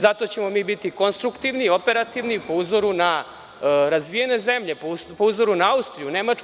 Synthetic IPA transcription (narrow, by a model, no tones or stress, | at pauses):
zat̪o̞t͡ɕe̞mo̞miːbit̪iko̞nst̪ɾukt̪iʋniio̞pe̞ɾat̪iʋnipouzo̞ɾuna | ɾazʋijene̞ze̞mʎe̞ppouzo̞ɾunaaust̪ɾijune̞mat͡ʃ